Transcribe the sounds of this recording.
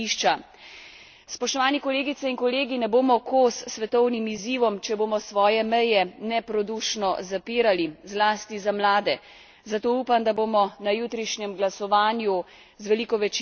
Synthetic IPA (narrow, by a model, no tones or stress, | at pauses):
iʃt͡ʃa | spɔʃt̪ɔʋaːnikɔleːɡit̪sɛinkɔleːɡinɛboːmɔkosːʋɛt̪ɔwnimiziːʋɔmt͡ʃɛboːmɔsʋɔːjɛmɛjɛnɛpɾɔd̪uʃnɔzapiːɾalizlaːst̪izamlaːd̪ɛ | zat̪oːuːpand̪abomɔnajuːt̪ɾiʃɲɛmɡlasɔʋaːnju | zʋɛliːkɔʋɛt͡ʃ